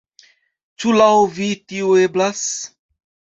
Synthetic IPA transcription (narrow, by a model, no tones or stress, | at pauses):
t͡ʃulawvitiueblas